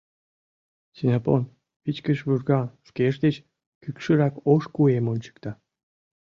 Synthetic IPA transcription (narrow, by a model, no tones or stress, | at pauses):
sinʲapon | pit͡ɕkəʃβyrɡɑʃkeʃd̪et͡ɕ | kykʃɨɾɑkoʃkuemonʲt͡ɕɯ̥k̚t̪ɑ